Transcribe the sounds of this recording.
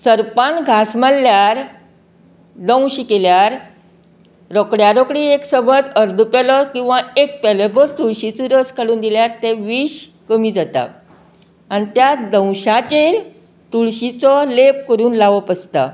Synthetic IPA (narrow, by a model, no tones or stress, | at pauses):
səɾpanɡʱasməlːjaɾ | d̪ə̃w̃ɕikeljaɾ | ɾɔkɽjaɾɔkɽiːeksəbʱət͡səɾd̪ʱupelɔkĩw̃ʋaek̚pɛlebəɾt̪uɭɕit͡suɾəskʰaɽuːnd̪iljaɾt̪eʋiːɕ | kəmiːd͡zat̪a̰ | anit̪jad̪ə̃w̃ɕat͡ɕe | t̪uɭɕit͡sɔlepkəɾuːnlaʋəpəst̪a̰